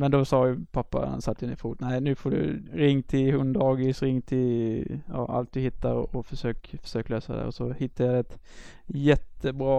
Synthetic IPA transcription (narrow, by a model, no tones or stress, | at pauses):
mɛnd̪ɔsɑːjʉpʰapːa̰a̰nsat̪ʰːjɪnəfuːt̪næɪnʉ̟ːfɔɖɵ̰ɾɪŋːt̪ʰɪlhɵnd̪ɑːɡɪsɾɪŋːt̪ʰɪljɑ̰ːʔa̰lt̪̚d̪ɵhɪt̪ːaɾɔ̰ʔɔfœʂøːkfœ̥ʂøːkløːsad̪æ̰ɾɔsɔhɪt̪ːajɑd̪ɛɛt̪ | jɛt̪ːəbɾɑː